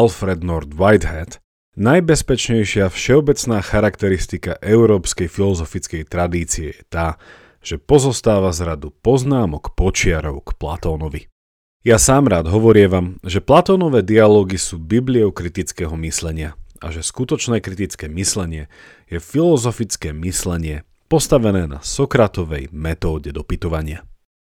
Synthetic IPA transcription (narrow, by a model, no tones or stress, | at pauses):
alfɾɛd̪nɔɾd̪ʋajd̪ɦɛt̪ | najbɛspɛt͡ʃɲɛjʃɪafʃɛɔbɛt͡snaːxaɾakt̪ɛɾist̪ikaʔɛʊɾɔːpskɛjfilɔzɔfit͡skɛjt̪ɾad̪iːt͡siɛjɛt̪aː | ʒ̥ɛpɔzɔst̪aːʋazɾad̪upɔznaːmɔkpɔt͡ʃɪaɾɔʊkpla̰t̪ɔːnɔʋi | jasaːmɾaːd̪ɦɔʋɔɾɪɛʋamʒɛplat̪ɔːnɔʋɛːd̪ialɔːɡisuːbibliɔʊkɾit̪it͡skɛːɦɔmislɛɲɪaa̰ʒɛskut̪ɔt͡ʃnɛːkɾit̪it͡skɛːmislɛɲɪɛ | jɛfilɔzɔfit͡skɛːmislɛɲɪɛ | pɔst̪aʋɛnɛːna̰sɔkɾat̪ɔʋɛjmɛt̪ɔːɟɛd̪ɔpit̪ɔʋaɲɪa